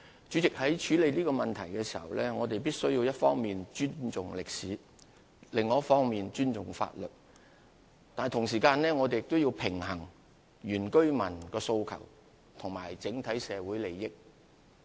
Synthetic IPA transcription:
t͡ʃyː˨˥t͡sɪ˨k̚hɐ˨˥jt͡ʃʰyː˨˥le˨˧jliː˥kɔː˧mɐ˨nt̪ʰɐ˨˩jkɛː˧siː˨˩hɐ̰˨wlɛː˥ŋɔː˨˧t̪e˨jpiː˥t̚sɵ˥ɥjiː˧wjɐ˥t̚fɔː˥ŋmiː˨nt͡ʃyː˥nt͡sʊ˨ŋlɪ˨k̚si˨˥ | lɪ˨ŋːɔː˨˦ɐ˥tfɔː˥ŋmiː˨nt͡ʃyː˥nt͡sʊ˨ŋfa̰ː˧t̚lɵ˨t̚ | t̪aː˨n˨t̪ʰʊ˨˩ŋs̬iː˨˩kaː˧nlɛː˥ŋɔː˨˧t̪e˨jɪ˨k̚t̪ʊ˥wjiː˧wpʰɪ˨˩ŋɦɐ˨˩ŋ | jyː˨˩nkɵ˥ɥmɐ˨˩nkɔː˧so˧wkʰɐ̰˨˩w | t̪ʰʊ˨˩ŋmaː˨˩jt͡sɪ˨˥ŋt̪ʰɐ˨˥jsɛː˨˧wu˨˥jle˨˩jːɪ˥k̚

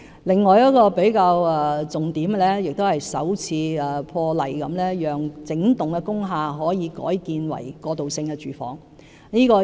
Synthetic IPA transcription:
lɪ˨ŋːɔː˨jɐ˥t̚kɔː˧pe˨˥jkaː˧wɛː˨˧t͡sʊ˨ŋt̪iː˨˥m˧lɛː˥jɪ˨k̚t̪o˥whɐ˨jsɐ̰˨˥wt͡sʰiː˧ɛ˨pʰɔː˧lɐ˨˩jkɐ˨˧˥mlɛː˥jœː˨ŋt͡sɪ˨˧˥ŋt̪ʊ˨ŋkɛ˧kʊ˥ŋɦaː˧ɦɔː˨˥jiː˨˧kɔ̰ː˨˥jkiː˧nwɐ̰˨˩jkɔː˧t̪o˨˩wsɪ˧ŋkɛ˧t͡ʃyː˨˩fɔ̰ː˨˥ŋ | niː˥kɔː˧

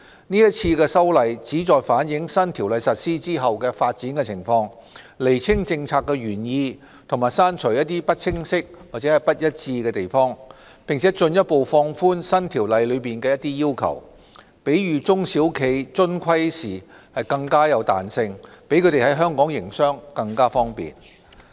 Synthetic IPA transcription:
niː˥jɐ˥t̚t͡sʰiː˧kɛː˧sɐ˥wlɐ˨˧jt͡siː˨˥t͡sɔː˨˧jfaː˨˥njɪ˨˥ŋsɐ˥nt̪ʰi˨˩wlɐ˨˧jsɐ˨t̚siː˥t͡siː˥ɦɐ˨wkɛː˧faː˧t̚t͡siː˨˥nkɛ˧t͡sʰɪ˨˩ŋfɔː˧ŋ | le˨˩jt͡sʰɪ˥ŋt͡sɪ˧ŋt͡sʰaː˧kːɛː˧ɥyː˨˩njiː˧ | t̪ʰʊ˨˩ŋmaː˨˩jsaː˥nt͡ʃʰɵ˨˩jɐ˥t̪ːiː˥pɐ˥t̚t͡sʰɪ˥ŋsɪ˥k̚wa˨t͡sɛ˨˥hɐ˨˩jpɐ˥t̚jɐ˥t̚t͡siː˧kɛː˧t̪e˨˩jfɔː˥ŋ | pɪ˨ŋt͡sʰɛː˨˥t͡sɵ˧njɐ˥t̚po˨wfɔː˧ŋfuː˥nsɐ˥nt̪ʰiː˨˩wlɐ˨˧jlɵ˨˧ɥpiː˨˩nkɛː˧jɐ˥t̪iː˥jiː˥wkʰɐ̰˨˩w | pe˨˥jɥyː˨t͡sʊ˥ŋsi˨˥wkʰe˨˧jt͡sɵ˥nkʷʰɐ˥jsiː˨˩ | hɐ˨jkɐ˧ŋkaː˥jɐ˨˧wt̪a̰ː˨nsɪ˧ŋpe˨˥jkʰɵ˨˧t̪e˨jhɐ˨˥jɦœː˥ŋkɔː˨˥ŋjɪ˨˩ŋsœː˥ŋkɐ˧ŋkaː˥fɔː˥ŋpḭː˨˩n

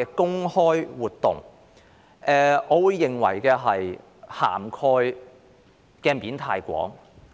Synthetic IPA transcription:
ɛ˧kʊ˥ŋhɔː˥jwuː˨t̚t̪ːʊ̰˨˩ŋ | ʔɛː˨ʔɔː˨˧wuː˨˧jːɪ˨˩ŋwɐ̰˨˩jkɛː˧ɦɐ˨j | ha̰ː˨˩mkʰɔː˧j | kɛː˧miː˨˧nt̪ʰaː˧jkʷɔ̰ː˨˥ŋ

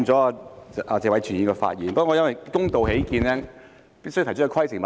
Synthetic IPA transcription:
t͡sɔː˨˦˥aː˧˨ʔaː˧˩t͡sɛː˨wɐ˨˥jt͡ʃʰy˨˩jiː˨˩ŋkɔ˧fa̰ː˧t̚jiː˨˩npːŋːɔ˨˧jɐ˥nwjkʊ˥ŋt̪o˨whe˨˥jkiː˧nlɛː˥ | pi˥sjt̪ʰt͡ʃ̚ʰːkʰwɐ˥jsɪ˨˩ŋma

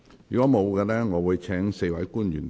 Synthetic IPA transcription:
jyː˨˩kɔː˨˥mo˨˧wkɛː˧lɛː˥ŋɔː˨˧wuː˨˧jt͡ʃʰɛː˨˥ŋse˧jwɐ˨˥jkuː˥njy̰ː˨˩n

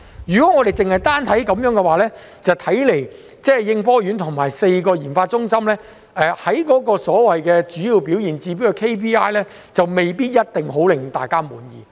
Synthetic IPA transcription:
jyː˨˩kɔ˨˥ŋɔ˨˧e˨jt͡sɪ˨ŋhɐ˨jt̪aː˥nt̪ʰɐ˨˥jkɐ˨˧mjœː˨˥ŋɡɛ˧waː˨˧lɛː˥ | t͡sɐ˨wt̪ʰɐ˨˥jle˨˩j | t͡sɛː˥˨jɪ˧ŋfɔː˥jy˨˥nt̪ʰʊ˨˩ŋmaː˨˩jse˧jkɔː˧jiː˨˩nfaː˧t̚t͡ʃʊ˥ŋsɐ˥mlɛː˥ | ɛː˧hɐ˨˥jkɔː˨˥kɔː˧sɔː˨˥wɐ˨jkɛː˧t͡ʃyː˨˥jiː˨˧wpiː˨˥wjiː˨˩nt͡siː˧p̬i˨˥wkɛ˧kʰe˥pʰiː˥aː˥jlɛː˥ | t͡sɐ˨wme˨jpiː˥t̚jɐ˥t̚t̪ɪ˨ŋɦo˨˥wlɪ˨ŋ˨t̪a̰ː˨jkaː˥muː˨˥njḭː˨˩

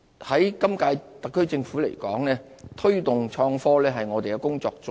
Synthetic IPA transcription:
hɐ˨˥jkɐ˥mkaː˧jt̪ɐ˨kʰːɵ˥ɥt͡sɪ˧ŋfuː˨˥le˨˩jkɔ̰ː˨˥ŋlɛː˥ | t̪ʰɵ˥ɥt̪ʊ˨ŋt͡ʃʰɔː˧ŋfɔː˥lɛː˥ɦɐ˨jŋɔː˨˧t̪e˨jkɛ˧kʊ˥ŋt͡sɔː˧k̚t͡sʊ˥

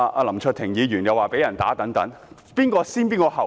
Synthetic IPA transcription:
a˧ʔa˧lɐ˨˩mt͡ʃʰɵ˧t̪ʰɪ˨˩ŋjiː˨˧jyː˨˩njɐ˨waː˨˩pe˨˥jɐ˨˩nt̪a̰ː˨˥t̪ɐ˨˥ŋt̪ɐ˨˥ŋ | piː˥nkɔː˧siː˥npiː˥nkɔː˧ɦɐ˨˩w

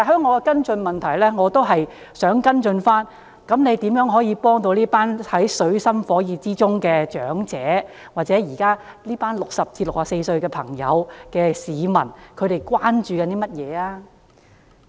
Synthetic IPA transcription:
t̪aː˨˩ɦœː˥ŋːɔː˨˧kɛ˧kɐ˥nt͡ʃɵ˧nmɐ˨˩nt̪ʰɐ˨˩jlɛː˥ŋɔː˨˧t̪o˥wɦɐ˨j | sœː˨˥ŋkɐ˥nt͡ʃɵ˧nfaː˥n | kɐ˨˥mne˨˧jt̪iː˨˥mjœː˨˥ŋɦɔː˨˥jiː˨˧pɔː˥ŋt̪o˧wliː˥paː˥nhɐ˨˥jsɵ˨˥ɥsɐ˥mfɔː˨˥jiː˨˧t͡siː˥t͡sʊ˥ŋkɛː˧t͡ʃœː˨˥ŋt͡sɛː˨˥ | waː˨t̚t͡sɛː˨˥jiː˨˩kaː˥ | liː˥paː˥nlʊ˨k̚sɐ˨p̚t͡siː˧tlʊ˨k̚aː˨˩se˧jsɵ˧ɥkɛ˧pʰɐ˨˩ŋjɐ̰˨˧wkɛː˧siː˨˧mɐ˨˩nkʰɵ˨˧ɥɾe˨˩jkwaː˥nt͡ʃyː˨˧kɐ˨˧nt̪iː˥mɐ˥t̚jɛː˨˧aː˧

